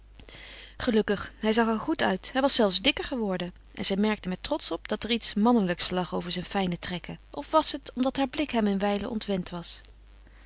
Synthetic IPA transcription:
χəlɵkəχɦɛjzɑχɦɛɹχutœ̰ɥtɦɛjʋɑsɛlˠfzdɪkəɹχəʋɔɹdə | ʔɛ̰nzɛjmɛɹk̚təmɛtrɔtsɔpdɑtɛɹitsmɑnələkslɑχowvəɹzɛjnfɛjnətrɛkəʔɔfʋɑsətɔmdɑtɦaːɹblɪkɦɛmɪnʋɛjləʔɔ̰ntʋɛntʋɑs

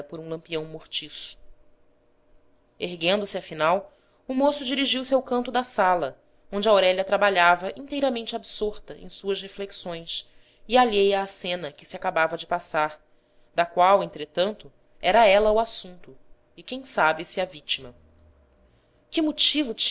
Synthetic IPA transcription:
ɐpoɾũlɐ̃mpiɐ̃w̃moχt͡ʃisʊ̥ | eɦɡẽnd̪ʊsɪɐfinaw | umosʊd͡ʒiɾiʒiwsɪawkɐ̃nt̪ʊd̪ɐsalɐ | õnd͡ʒɪaowɾɛʎɐt̪ɾabaʎavɐʔĩnt̪ejɾɐmẽnt͡ʃɪabsoɾt̪ɐʔḛ̃j̃suɐshefleksõj̃s | ɪaʎejɐːsẽnɐkɪ̥sɪakabavɐd͡ʒɪpasaɾ | d̪ɐkwawẽñt̪ɾet̪ɐ̃nt̪ʊ | ɛɾɐɛlɐuasũnt̪ʊ | ɪkẽj̃sabɪsɪɐvit͡ʃimɐ | kɪmʊt͡ʃivʊt͡ʃ

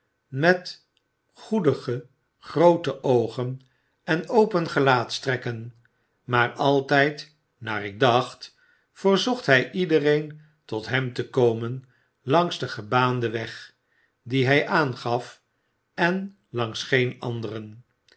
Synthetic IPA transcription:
mɛt | χudəχə | χrowtəʔowχən | ɛnowpənχəlaːtstrɛkən | maːrɑlˠtɛjt | na̰ːrɪɡ̚dɑχt | fərzɔχtɦɛjʔidərejn | tɔtɦɛmtəkowmən | lɑŋzdəχəbaːndəʋɛχ | diɦɛjʔaːnχɑf | ɛn | lɑŋsχejnɑ̰ndərən

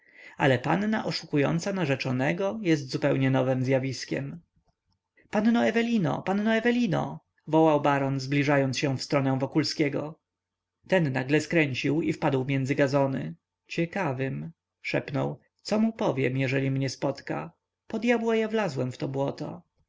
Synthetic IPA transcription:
a̰lɛpa̰nːaʔɔʂukujɔ̰nt̪sanaʐɛt͡ʂɔnɛɡɔjɛst̪zupɛwɲɛnɔvɘmzʲjavʲiskʲɛ̰m | panːɔɛvɛlʲinɔ̰panːɔɛvɛlʲinɔ̰ | vɔwawbaɾɔnzblʲiʐajɔnt̪ɕɛ̃fst̪ɾɔnɛ̃w̃vɔkulskʲɛɡɔ | t̪ɛnːaɡlɛskɾɛɲt͡ɕiwifpad̪wmʲjɛnd̪zɘɡazɔnɘ̰ | t͡ɕɛkavɘm | ʂɛ̰pnɔ̰w | t̪sɔmupɔvʲjɛmjɛʐɛlʲimɲɛspɔt̪ka̰ | pɔd̪ʲjabwajavlazwɛmft̪ɔbwɔt̪ɔ̰

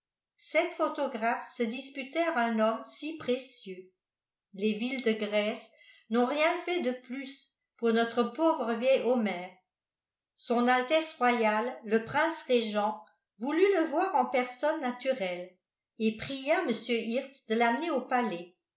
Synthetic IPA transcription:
sɛt̪fot̪ɔɡʁafsəd̪ispyt̪ɛʁœ̃nɔmsipχesjø | levild̪əɡʁɛs | nɔ̃ʁjɛ̃fɛd̪əplys | puʁnɔt̪χəpoːvʁəvjɛjɔmɛːʁ | sɔ̃nalt̪ɛsʁwajalːəpχɛ̃sʁeʒɑ̃ | vulyləvwaːʁɑ̃pɛʁsɔnːat̪yʁɛl | epχijaməsjøʔiʁt̪sd̪əlaməneopalɛ

